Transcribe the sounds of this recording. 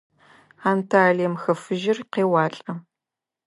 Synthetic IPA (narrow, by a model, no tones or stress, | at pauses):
aːntʰaːɮeːmxɐfɨʒɪrqeːwɑːɬʼɐ